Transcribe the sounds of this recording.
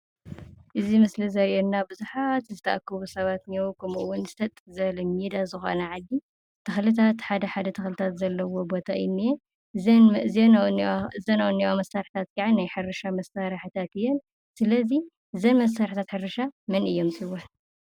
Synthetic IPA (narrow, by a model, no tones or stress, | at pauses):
ʔɨzimɨslizɐɾʔenːabɨzuħat̪zɨt̪ʰɐʔakʰːɨβusɐβat̪niokʰɐmuʔuwʊnzɨt̪ʰɐt̪ʼːɨzɐlɐmid̪azɨxo̞̰nɐʕad̪ːi | t̪ʰɨxlɨt̪ʰat̪ħad̪ɐħad̪ɐt̪ʰɐxlɨt̪ʰat̪zɐlːɐwo̞bo̞t̪ʰaɨɪnːije | zenzɐnawnːiamɐsːaɾħit̪ʰat̪kʰʼaʕanajħɨɾɐʃamɐsːaɾħɨt̪ʰat̪ɨjːɛn | sɨlɐzi | ɨzɐnmɐs̬aɾħit̪ʰat̪ħɨɾɐʃamɨnɨjːo̞msʼiwon